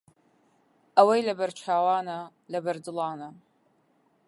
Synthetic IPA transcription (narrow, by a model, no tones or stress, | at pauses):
ɐwɐjlɐbɐɾt͡ʃʰaːwaːnɐ | lɐbɐɾdɨlˠɑːnɐ